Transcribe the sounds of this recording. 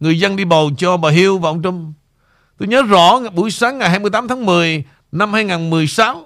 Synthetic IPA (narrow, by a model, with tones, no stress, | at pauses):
ŋɨ˨˩əjzə˧nɗi˧ɓə˨˩wt͡ɕɔ˧ɓəː˨˩ɦi˧əwva˨˩ʔə˧wŋ͡mt͡ɕʊ˧ŋ͡m | t̪o˧jɲəː˨˦zɔ̰˧˩˦ɓu˧˩əjsaː˨˦ŋːa˨˩jɦaː˧jmɨ˧jt̪aː˨˦mt̪ʰaː˨˦ŋmɨ˨˩əj | na˧mhaː˧jŋaː˨˩nmɨ˨˩əjsaː˨˦w